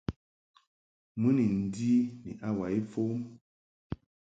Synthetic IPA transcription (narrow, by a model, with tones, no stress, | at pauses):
mɨ˦ni˨n̩˨di˦nḭ˨ʔa˦wa˨e˦fo˦m